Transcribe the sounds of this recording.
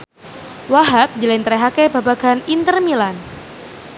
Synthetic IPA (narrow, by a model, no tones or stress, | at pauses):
waɦak̚d͡ʒəlɛnt̪ɾeɦakebabaɡ̥anint̪ərmilan